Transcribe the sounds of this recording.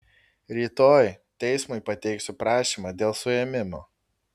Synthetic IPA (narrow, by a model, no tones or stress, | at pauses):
ɾʲiːt̪oːjt̪ʲɛɪsmʊɪpɐt̪ʲɛɪksʲʊpɾɑːʃʲiːmɑd̪ʲeːlˠsʊɛmʲɪmoː